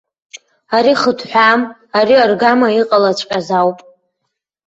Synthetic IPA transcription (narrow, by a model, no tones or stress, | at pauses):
aɾiχətʰħʷᶣamaɾiarɡamaiqʼalat͡ɕʷʼkʲʼazawpʼ